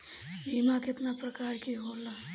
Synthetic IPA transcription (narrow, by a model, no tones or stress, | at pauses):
bʱimaket̪napɾəkaɾkiɦola